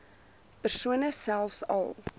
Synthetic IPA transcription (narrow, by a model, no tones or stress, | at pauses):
pərsuənəsælˠfsɐ̰lˠ